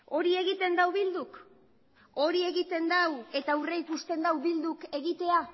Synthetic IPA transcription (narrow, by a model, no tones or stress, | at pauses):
o̞ɾie̞ɣit̪e̞nd̪awβild̪uk | o̞ɾie̞ɣit̪e̞nd̪awe̞t̪aure̞ikust̪e̞nd̪awβild̪uke̞ɣit̪e̞a